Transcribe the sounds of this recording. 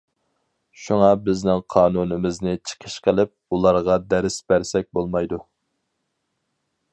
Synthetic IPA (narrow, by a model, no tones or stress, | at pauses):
ʃuŋɑbɪznɪŋqʰɑːnunɨmɪznɪt͡ʃʰə̥qʰəʃqʰəlˠɪp̚ulˠɑɾʁɑd̪æɾɪsbæɾsɛk̚ʲbolˠmɑjd̪u